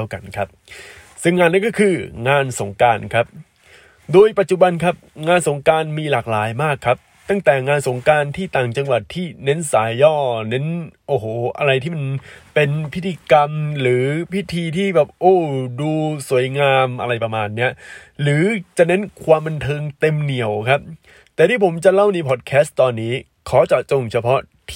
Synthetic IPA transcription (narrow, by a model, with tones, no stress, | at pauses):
wka˧nkʰa˦˥p̚ | sɯ˥˧˩ŋːaː˧nːaː˦˥˩kɔ˥˩kʰɯː˧ŋaː˧nso˩˦ŋkaː˧nkʰa˦˥p̚ | doː˧jpa˨˩t̪̚t͡ɕu˨˩ba˧nkʰa˦˥p̚ŋaː˧nso˩˦ŋkaː˧nmiː˧laː˨˩k̚laː˩˦jmaː˥˩kʰːa˦˥p̚ | t̪a˥˩ŋt̪ɛː˨˩ŋaː˧nso˩˦ŋkaː˧nt̪ʰiː˥˩t̪aː˨˩ŋt͡ɕa˧ŋwa˨˩t̪ʰːiː˥˩ne˦˥nsaː˩˦jːɔː˥˩ne˦˥nʔoː˧˩hoː˨˩ʔa̰˧ɾa˧jt̪iː˥˩ma˧npe˧npʰi˦˥t̪ʰːiː˧ka˧mɾɯː˩˦pʰi˦˥t̪ʰiː˧t̪ʰiː˥˩bɛː˨˩p̚ʔoː˧˥˩duː˧su˨˩˦əjŋaː˧mʔa˧ɾa˧jpɾa˧maː˧nːi˦˥ɐɾɯː˩˦t͡ɕa˨˩ne˦˥nkʰwaː˧mba˧nt̪ʰɤː˧ŋt̪e˧mni˨˩əwkʰa˦˥p̚ | t̪ɛː˨˩iː˧˩pʰo˩˦mt͡ɕa˨˩la˥˩wniː˧pʰɔː˨˩t̪̚kʰɛː˦˥st̪ːɔː˧nːiː˦˥ | kʰɔː˩˦t͡ɕa˨˩t͡ɕo˨˩ŋt͡ɕʰa˧pʰɔ˦˥t̪ʰ